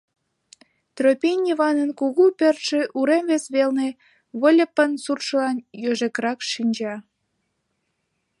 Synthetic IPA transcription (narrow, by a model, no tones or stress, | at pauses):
t̪ropʲenʲiβɑnənkuɣupørt̪ʃĕʔuɾemβesβelne | βəlʲəpːənsurʃəlɑnjøʒekɾɑkʃinʲd͡ʑɑ